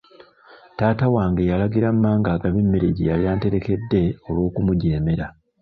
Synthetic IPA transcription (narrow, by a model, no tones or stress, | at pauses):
taːtawaːŋɡejalaɡiɾamːaːŋɡaːɡaβimːiɾiɟijaβjaːnte̞ɾe̞ke̞dːe̞o̞lwo̞ːkumuɟe̞ːme̞ɾa